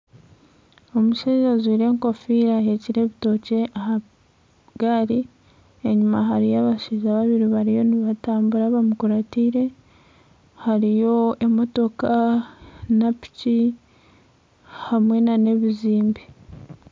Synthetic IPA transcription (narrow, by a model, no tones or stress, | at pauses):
o̞muʃezaziɾe̞ːŋko̞fiːɾaheciɾe̞ːβito̞ce̞aha | ɡaːɾi | eɲumaɦaɾijaβaʃiʒaβaβiɾiβaɾijo̞niβataːmbuɾaβamukuɾatiːɾe̞ | haɾijo̞emo̞to̞ka | napi̥ci | hamwe̞nane̞βiziːmbi